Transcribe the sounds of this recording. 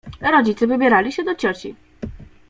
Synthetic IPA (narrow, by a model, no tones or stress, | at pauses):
ɾɔd͡ʑit̪sɘvɘbʲjɛɾalʲiɕɛd̪ɔt͡ɕɔt͡ɕḭ